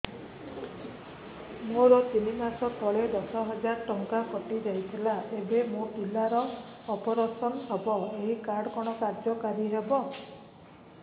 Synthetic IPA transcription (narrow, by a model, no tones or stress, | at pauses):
moɾɔt̪inimasɔt̪ʰɔɭed̪ɔsɔɦɔd͡ʒaɾʈɔŋkakɔʈid͡ʒajt̪ʰilaʔebemoʈulaɾɔː | pɔɾɔsɔnɔbɔbɔeɦikaɾɽɔkɔɽ̃ɔkaɾd͡ʒɔkaɾiɦebɔ